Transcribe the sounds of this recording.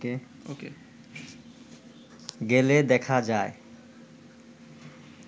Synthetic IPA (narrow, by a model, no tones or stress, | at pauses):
ke | oke | ɡeled̪ɛkʰad͡ʑae